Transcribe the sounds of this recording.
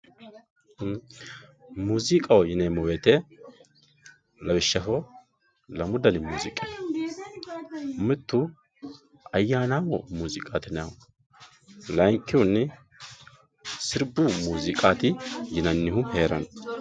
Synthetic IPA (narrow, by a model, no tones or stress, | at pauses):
muːzɪkʼɐwjɪnemɔwet̪ɛ | lɐbɪʃːɐfɔ | lɐmʊd̪ɐnɪmuːzɪkʼe | mɪt̪ːʊ | ɐjːaːnaːwɔmuːzɪkʼaːt̪ɪnɐw | lɐjŋkːɪwʊnːɪ | sɪɾbumuːzɪkʼaːt̪ɪjɪnɐnːɪhʊheːɾɐ̰n